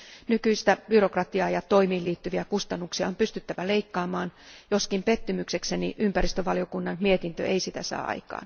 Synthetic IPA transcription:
nykyist̪æb̥yrokrɑt̪iɑːjɑt̪oimiːliːt̪ːyʋiækust̪ɑnːuksiɑompyst̪yt̪ːæʋæleikːɑːmɑːnjoskimpet̪ːymyksekseniʔympærist̪øʋɑlio̞kunːɑnmiet̪int̪ø̰ʔeisit̪æsɑ̰ːʔɑ̰ikɑ̰ːn

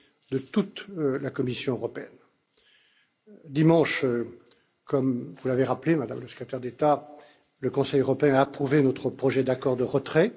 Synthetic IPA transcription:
d̪ət̪ut̪lakɔmisjɔ̃øʁɔpeɛ̰n | d̪imɑ̃ʃ | kɔmvulaveʁaplemad̪a̰mləsə̥kχet̪ɛʁd̪et̪a | ləkɔ̃sɛjøʁɔpeɛ̃aːpχuvenot̪χəpχɔʒɛd̪akɔʁd̪əʁət̪χɛ

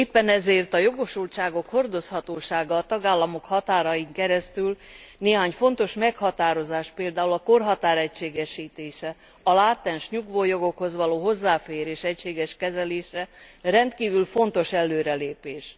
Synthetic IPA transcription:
eːpːɛnɛzeːrt̪ɒjo̞ɡo̞ʃult͡ʃaːɡo̞kho̞rd̪o̞shɒt̪oːʃaːɡɒːt̪ɒɡaːlːɒmo̞khɒt̪aːɾɒjiŋkɛɾɛst̪ylneːɦaːɲfo̞n̪t̪o̞ʃmɛkhɒt̪aːɾo̞zaːʃpeːld̪aːulɒko̞rɦɒt̪aːɾɛcʃeːɡɛʃiːt̪eːʃɛ | ɒlaːt̪ːɛnʃɲuɡvoːjo̞ɡo̞kho̞zʋɒloːɦo̞zːaːfeːɾeːʃɛcʃeːɡɛʃkɛzɛleːʃɛrɛnt̪kiːvylfo̞nt̪o̞ʃɛlːøːɾɛleːpeːʃ

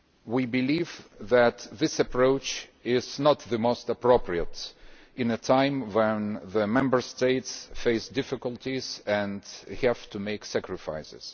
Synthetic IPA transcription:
wibɨlivðæt̪ðɪsɨpʰɹoʊt͡ʃɪznət̪ðɨmoʊstəpɹ̥oʊpʰɹiət | ɨ̃nɨtʰãɪ̃mwɛ̃nðɨmɛ̃mbə˞steɪtsfeɪsdɪfɨkəlˠtiz̥ɨ̃ndhæv̥tʰumeɪksækɹɨfa̰ɪsɨ̰z̥

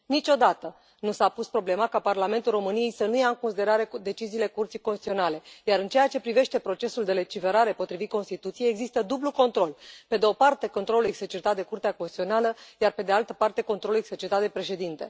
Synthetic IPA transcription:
nit͡ʃo̞d̪at̪ə | nusapuspɾo̞ble̞makaparlame̞nt̪ulro̞mɨnije̞jsənujaɨŋko̞nsid̪e̞ɾaɾe̞d̪e̞t͡ʃiziːle̞kurt̪sijkonst̪it̪sio̞nale̞jaɾɨnt͡ʃe̞jat͡ʃe̞pɾive̞ʃt̪e̞pɾo̞t͡ʃe̞suld̪e̞le̞t͡ʃife̞ɾaɾe̞po̞t̪ɾivit̪̚ko̞nst̪it̪ut̪sijejeɡzist̪əd̪ubluko̞nt̪ɾo̞lpe̞d̪eo̞part̪e̞ko̞nt̪ɾo̞luekset͡ʃit̪at̪̚d̪e̞kurt̪eakonsisio̞naləjarpe̞d̪ealt̪əpart̪eko̞nt̪ɾo̞luekset͡ʃit̪at̪̚d̪e̞pɾe̞ʃe̞d̪int̪e̞̰

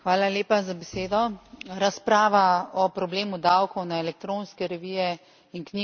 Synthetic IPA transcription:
xʋaːlaleːpazabɛseːd̪ɔɾaspɾaːʋaɔpɾɔbleːmud̪awkɔwnaɛlɛk̚t̪ɾoːnskɛɾɛʋijɛ | inkni

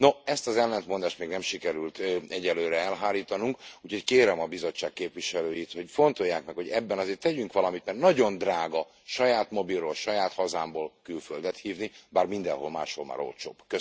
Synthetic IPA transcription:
noɛst̪ɒzɛlːɛnt̪mo̞nd̪aːʃt̪meːɡnɛmʃikɛɾylt̪ɛɟɛlːøːɾɛɛlɦaːliːt̪ɒnuŋkuːcʰho̞ckeːɾɛmɒbizo̞t͡ʃːaːkkeːpʋiʃɛløːjit̪ho̞cfo̞nt̪o̞jːaːkmɛkho̞ɟɛbːɛnɒzeːrt̪ɛɟyŋkʋɒlɒmit̪mɛrnɒɟo̞nd̪raːɡɒ | ʃɒjaːt̪mo̞birːolʃɒjaːt̪hɒzaːmboːlkylføld̪ɛt̪hiːvnibaːrmind̪ɛnho̞̰lma̰ːʃho̞lma̰ːɾo̰lt͡ʃo̰ːbkø

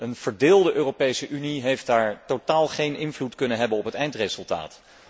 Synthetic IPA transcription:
ənv̥əɹdɪːlˠdəʔøːropejsəʔyniɦejft̚daːɹtotaːlˠχejnʔɪnvlutkɵnənɦɛbənɔpɦətɛjntrezɵlˠta̰ːt

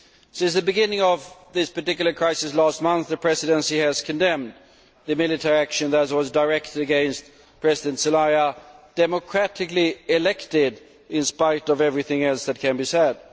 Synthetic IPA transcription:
sɪ̃nsðɨbɨɡɪ̃nɪ̃ŋʌvðɪspə˞tɪkjl̩ˠə˞kʰɹ̥aɪsɨslæst̚mʌ̃nθðɨpʰɹ̥ɛsɨɾə̃nsiɨz̥kʰɨ̃ndɛ̃m | ðɨmɪlˠɨtʰɛɹiækʃɨ̃nðəzwʌzdaɪɹɛk̚tʰɨɾɨɡɛ̃ɪ̃nst̪ | pʰɹ̥ɛzɪdɨ̃ntsɨlaɪəd̥ɛməkʰɹ̥æɾɨkliɪlɛktɪd | ɪ̃nspaɪɾʌvɛvɹiθɪ̃ŋɛlˠsðɨt̚kʰɨ̃nbisɛd̥̚

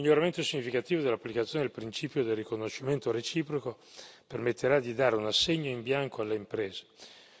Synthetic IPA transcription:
miʎːoɾament̪osiɲːifikat̪iːvod̪elːapːlikat̪sjoned̪elpɾint͡ʃiːpjod̪elrikonoʃiment̪oɾet͡ʃiːpɾoko | permet̪ʰːeɾad̪id̪aːɾeunasːeɲːoimbjaŋkoalːeimpɾeːze̥

